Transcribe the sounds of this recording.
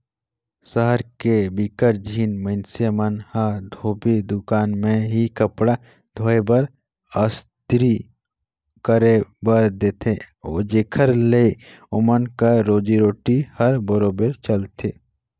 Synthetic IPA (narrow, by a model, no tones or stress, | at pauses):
səɦəɾkebikəɾd͡ʒʱiːnməɪnsemənhad̪ʱoːbed̪ʊkaːnmẽɦikəpɽa | d̪ʱoːebəɾ | əst̪ɾi | kəɾebəɾd̪eːt̪ʰeod͡ʒeːkʰəɾle | ʊmənkəɾoːd͡ʒiɾoːʈihəɾbəɾoːbeɾt͡ʃəlt̪ʰe